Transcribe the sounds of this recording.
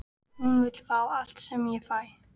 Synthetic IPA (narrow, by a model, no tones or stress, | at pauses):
hunvɪt̪l̥faːwal̥t̪sɛmjɛfaːj